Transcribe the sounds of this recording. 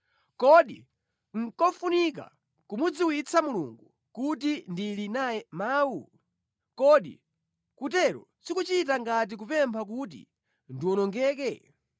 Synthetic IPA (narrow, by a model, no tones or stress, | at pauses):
kɔɗi | ŋ̩kɔfunika̰ | kumud͡ziwit͡sʰamuluŋɡu | kutindilinajɛmaːwu | kɔɗḭ | kutɛɾɔ̰sikut͡ʃit̬aŋɡat̬ik̬upɛmpʰak̬ut̬ḭ | ndiwɔnɔŋɡɛːk̬ɛ